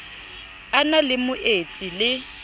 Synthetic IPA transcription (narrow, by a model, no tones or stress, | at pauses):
analɪmʊʔet͡sʼilɪ